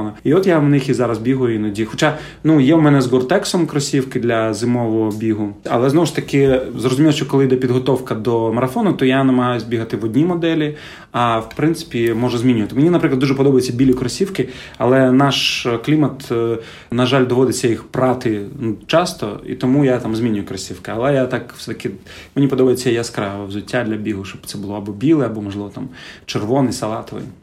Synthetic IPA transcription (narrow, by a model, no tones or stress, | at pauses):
ɐiɔt̪jawnɪxizɑɾɐzbʲiɦʊjʊinɐdʲixɔt͡ʃa | nujɛwmɛnɛzɡɔrt̪ɛksɔmkɾɔsʲiwkɪd̪lʲɐzɪmɔʋɔɦɔbʲiɦʊɐ̰lˠɛznɔʋʊʃt̪ɐkɪzrɔzʊmʲilˠɔʃt͡ʃɔkɔlˠɪjd̪ɛpʲid̪ɦɔt̪ɔwkɐd̪ɔmɐɾɐfɔnʊt̪ɔjanɛmɐɦajʊzʲbʲiɦɐt̪ɪʋɔdʲnʲimɔd̪ɛlʲi | ɐwpɾɪntsɪ̥pʲimɔʒʊzʲmʲinʲʊʋɐt̪ɪmenʲinɐpɾɪklˠd̪d̪uʒɛpɔd̪ɔbɐjet͡sʲːɐbʲilʲʊkɾɔsʲiwkɪ | ɐlˠɛnɑʃklʲimɐt̪ | nɐʒalʲd̪ɔʋɔd̪ɪt͡sʲːɐjixpɾɑt̪ɪt͡ʃɑst̪ɔ̰ḭt̪ɔmujat̪ɑmzʲmʲinʲʊjʊkɾɐsʲiwkɪɐlˠɛjat̪akfsɛt̪ɐkɪ | menʲipɔd̪ɔbɐjt͡sʲːɐjaskɾaɐwzʊtʲːad̪lʲɐbʲiɦʊʃt͡ʃɔbt̪sɛbʊlˠɔɐbɔbʲilˠɛɐbɔmɔʒlˠɪʋɔt̪amt͡ʃerʋɔnɪjsɐlˠɑt̪ɔʋɪ̰j